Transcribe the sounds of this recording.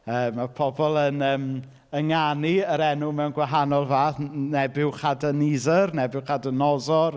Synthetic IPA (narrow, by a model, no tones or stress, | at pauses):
əːmːapʰɔbɔlˠənəːm | əŋaniəɾɛnʊmɛwnɡwaɦanɔlˠvaːθnɛbɪwχadənizərnɛbɪwχadənɔzɔr